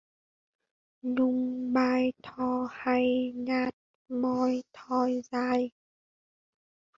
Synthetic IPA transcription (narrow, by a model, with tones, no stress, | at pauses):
nʊ˧ŋɓaː˧jt̪ʰɔ˧˩ha˧˩jŋaː˧˩t̚ | mɔ˧jt̪ʰɔ˧jzaː˧j